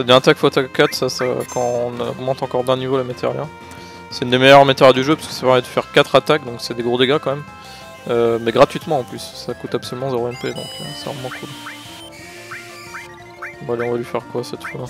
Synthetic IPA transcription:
sad̪əvjɛ̃at̪akfoat̪akkːat̪sasa̰kɑ̃nɔ̰ɡmɑ̃t̪ɑ̃kɔʁd̪ɛ̃nivolamat̪jɛ̰ʁla | sɛ̥t̪ynd̪emɛjœʁmat̪jɛʁad̪yʒøpɥi̥skə̥sapɛʁmɛd̪əfɛʁkat̪χat̪ak̚d̪ɔ̃ksɛd̪eɡʁod̪eɡakɑ̃mɛm | ømɛɡʁat̪ɥit̪mɑ̃ɑ̃plysːakut̪apsɔlymɑ̃zeʁoɛmped̪ɔ̰̃kʰə̰sɛ̰ɔ̰̃mwɑ̃kʰul | ɔ̃valeɔ̃valɥifɛʁkwasɛt̪fula

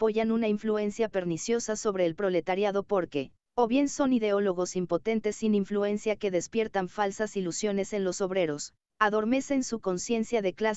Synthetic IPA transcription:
po̞ʝanunaiɱflue̞nsjape̞ɾnisjo̞saso̞βɾe̞ːlpɾo̞le̞t̪aɾjaðo̞po̞ɾke̞ | oβje̞nso̞niðe̞o̞lo̞ɣ̞o̞simpo̞t̪e̞nt̪e̞sːiniɱflue̞nsjake̞ðe̞spje̞ɾt̪aɱfalsasilusjo̞ne̞se̞nlo̞so̞βɾe̞ɾo̞s | aðo̞ɾme̞se̞nsuko̞nsje̞nsjaðe̞kla

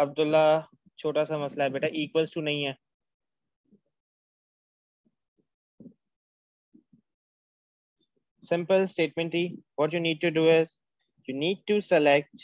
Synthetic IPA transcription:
ɐb̚d̪ʊlːa | t͡ʃʰoːʈasamɐslaɦɛːbeːʈaʔiːkʋəlsʈunɐɦĩɦɛː | sɪ̃mpəlsʈeːʈ̚mɛ̃ɳʈt̪ʰiːʋɔːʈjuːniːɖ̚ʈuɖuːɪz | juːniːɖ̚ʈusəlɛk̚ʈ

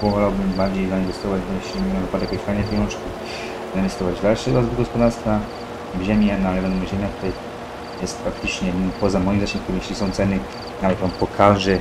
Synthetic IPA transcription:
pɔvɔlawbɘmbaɾd͡ʑejzainvɛst̪ɔvad͡ʑbɔjɛɕlʲimnavɨpad̪ɛjkɛɕfajnɛvʲejɔnt͡ʂkʲi | zainvɛst̪ɔvad͡ʑvd̪alʂɛazb̪ɡɔspɔd̪aɾst̪fa | bʑɛmʲjɛnalɛvɛnmɔʑɛmʲjak̚t̪uɾɛ | jɛst̪pɾak̚t̪ɘt͡ʂɲɛpɔzamɔjimzaɕɛ̃mk̪uɾjeɕlʲisɔ̃w̃t̪sɛnɘ | navɛt̪mampɔkʰaʐɛ

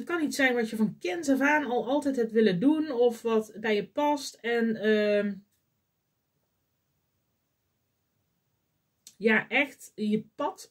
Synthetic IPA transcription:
t̚kɑnitsɛjnʋɑtjəvɑnkɪnt̬ɔfaːnɑlˠɑlˠtɛjtɦɛpʋɪlədunɔfʋɑtbɛjəpɑstɛnə | jaːʔɛxtjəpɑt

